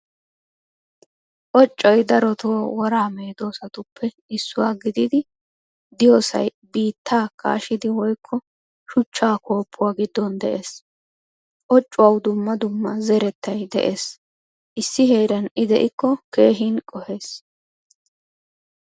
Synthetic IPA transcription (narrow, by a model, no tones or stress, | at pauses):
ʔɔt͡ʃʼːɔjd̪ɐɾɔt̪owɔɾaːmeːd̪o̞ːsɐt̪ʊpːɛ | ɪsːʊwaːɡɪd̪ɪd̪ɪ | d̪ɪjoːsɐ̰j | biːt̪ʰːaːkʰa̰ːʃɪd̪ɪwɔjkʰːɔ | ʃʊt͡ʃːaːko̞ːpʰːʊwaːɡɪd̪ːɔnd̪ɛʔe̞ːs | ʔɔt͡ʃʼːʊwɐwd̪ʊmːɐd̪ʊmːɐzɛɾɛt̪ːɐjd̪ɛ̰ʔe̞ːs | ʔɪsːɪhe̞ːɾɐnɪd̪ɛʔɪkːɔke̞ːɦinkʼɔhe̞ːs